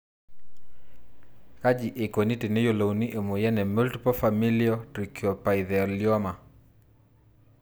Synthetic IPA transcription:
ka˦d͡ʒi˨ʔe˨ko˨ni˦te˨ne˦jo˦˨lo˨u˨ni˦ʔe˨mu˨jɛ˦nɛ˨mo˦ltpɔ˦fa˨mi˦liɔ˦tɾi˨kjɔ˨pa˨i˨ðɛ˨ljɔ˦ma˨

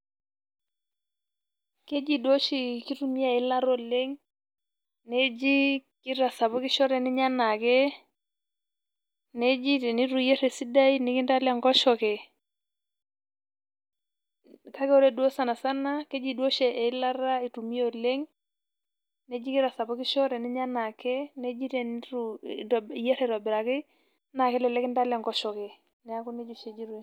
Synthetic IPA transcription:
ke˦d͡ʒi˦˨dwo˦ʃi˨ki˦tu˨mi˦a˦˨ɪ˦la˦ɾɔ˦le˦ŋ | ne˦d͡ʒi˦kɪ˦ɾa˨sa˨pɔ˦kɪ˦ʃɔ˦ɾɛ˨nɪ˦ɲa˦na˨kɛ˦ | ne˦d͡ʒi˦˨ni˦ɾu˨jɛ˦ɾɛ˨si˦da˦i˦nɪ˨˦kɪ˦nda˦la˦˨ŋɡɔ˦ʃɔ˨kɛ˨ | ka˦kɛ˦ɔ˦ɾɛ˦du˦o˦sa˨na˨sa˦na˦kɛ˦d͡ʒi˨du˦o˦ʃɛ˨ʔɛ˨i˦la˦ɾa˦i˨tu˨mi˦o˨le˦ŋ | ne˦d͡ʒi˦ki˦ɾa˨sa˨bɔ˦kɪ˦ʃɔ˦ɾɛ˨ni˦ɲa˦na˨kɛ˦ne˦d͡ʒi˦tɛ˨nɾu˨ | jɛ˦ɾɛ˨ɾa˨bɪ˨ɾa˨kɪ˦ | na˨kɛ˦lɛ˨lɛ˦kɪ˦nda˦la˨ŋɡɔ˦ʃɔ˨kɛ˨ | nɛ˨a˦ku˦ne˦d͡ʒo˦˨ʃe˨d͡ʒi˦ɾu˦

